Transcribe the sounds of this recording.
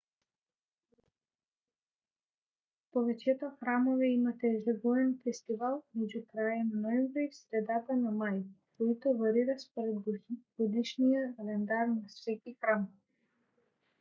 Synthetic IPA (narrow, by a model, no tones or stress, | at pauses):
pɔvɛt͡ʃɛt̪ɔxɾamoviimat̪ɛʒɛɡɔɛnfɛst̪ivalˠmɛɟukɾajananɔɛmvɾiifsɾɛd̪at̪anamajkoit̪ɔvaɾiɾaspɔɾɛd̪ɡ̥ɔd̪iʃnijakalɛnd̪arnassɛcixɾamvi